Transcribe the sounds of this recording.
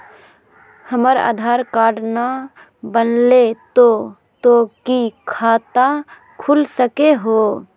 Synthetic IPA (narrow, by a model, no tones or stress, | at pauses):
həməɾa̰ːd̪ʱaɾkaɽna | bənlet̪o | t̪okikʰat̪a | kʰulsəkeɦo